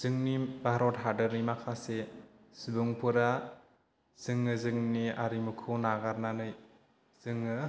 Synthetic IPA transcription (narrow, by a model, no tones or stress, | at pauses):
z̥ɯŋnibaɦɾɔtɦadɯɾnimakʰase | sibuŋpʰɯɾa | z̥ɯŋːɯzɯŋniaɾimukʰɯnaɡaɾnanɯj | z̥ɯŋɯ